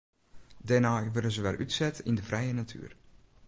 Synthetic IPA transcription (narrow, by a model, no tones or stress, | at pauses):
dɛnaːjʋødənzəʋɛ̰lˠʔytsɛtindəfrʔɛjənatʰy̰ːr